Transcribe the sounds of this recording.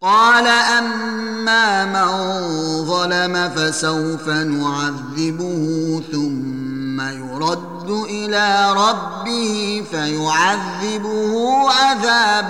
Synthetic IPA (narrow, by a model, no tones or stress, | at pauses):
qɑːlaʔamː | aːmanðˤɑlamafasawfanʊʕaðːɪbʊhʊθʊmːajʊɾˤɑd̪ːʊʔɪlaːɾˤɑbːɪhɪfajʊʕaðːɪbʊhʊʔaðaːb